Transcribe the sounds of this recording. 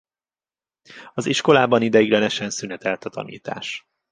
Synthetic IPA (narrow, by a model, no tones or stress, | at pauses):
ɒziʃko̞laːbɒnid̪ɛjiɡlɛnɛʃɛnsynɛt̪ɛlt̪ɒt̪ɒ̰nḭːt̪a̰ːʃ